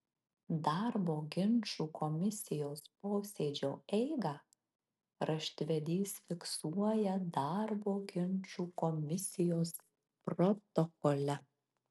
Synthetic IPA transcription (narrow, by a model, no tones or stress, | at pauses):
d̪ɑɾboːɡʲɪnʲt͡ʃuːkɔmʲɪsʲɪjoːspoːsʲeːd͡ʒʲoːɛɪɡɑ | ɾɐʃʲt̪ʲʋʲɛd̪ʲiːsfʲɪksuɔjɛd̪ɑɾboːɡʲɪnʲt͡ʃuːkɔmʲɪsʲɪjoːs | pɾɔt̪ɔkɔlʲɛ